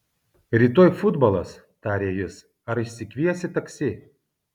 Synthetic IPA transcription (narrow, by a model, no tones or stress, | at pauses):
ɾʲiːt̪oːjfʊd̪bɐlˠɐs | t̪ɑːɾʲeːjɪs | ɐɾɪʃʲsʲɪkʋʲiɛsʲɪt̪ɐksʲɪ